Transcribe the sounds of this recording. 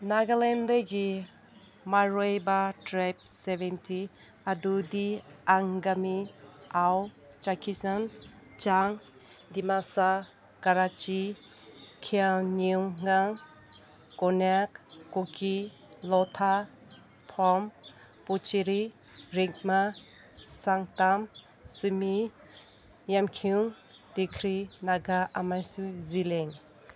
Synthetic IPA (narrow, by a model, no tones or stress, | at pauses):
naɡalendaɡi | maɾojbatɾajp̚sebentʰi | adudiaŋɡamiaw | t͡ʃakʰisan | t͡ʃaŋ | dimasa | kaɾat͡ʃi | kʰianiuŋŋaŋ | kɔnakːokʰi | lɔtʰa | pʰɔm | put͡ʃiɾi | ɾiŋk̚ma | saŋtam | sumi | jamkʰiuŋ | dikʰɾinaɡaʔamajsuzileŋ